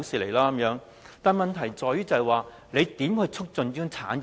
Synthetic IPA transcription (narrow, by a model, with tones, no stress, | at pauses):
wsiː˨le˨˩jlaː˥ɐ˨˦mjœː˨˥ŋ | t̪aː˨˧nmɐ˨nt̪ʰɐ˨˩jt͡sɔː˨˧jyː˥t͡sɐ˨ɛ˨waː˨ | le˨˧jt̪iː˨˥mhɵ˧ɥt͡sʰʊ˥k̚t͡sɵ˨˧njœː˥ŋt͡sʰa̰ː˨˥n˨